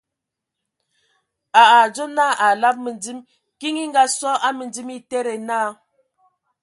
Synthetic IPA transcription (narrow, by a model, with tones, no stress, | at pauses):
a˨a˨d͡ʒo˦na˦˨ʔa˨la˦p̚mə˨nd͡zi˦m | ki˦ŋi˦ŋɡa˦sɔ˦ʔa˦mə˨nd͡zi˦mi˦te˦ɾe˨naː˦˨